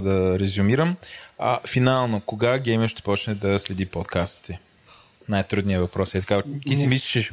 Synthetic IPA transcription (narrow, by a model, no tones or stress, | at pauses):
d̪ɐɾɛzʊmiɾəmɐfinalˠnokoɡaɡɛjməʃt̪ɛ̥pɔt͡ʃnɛd̪ɐslɛd̪ipɔt̪kast̪i̥t̪ɛ | najt̪ɾud̪nijəvɐpɾɔsɛt̪ɐ̥kat̪isɛmislt͡ʃi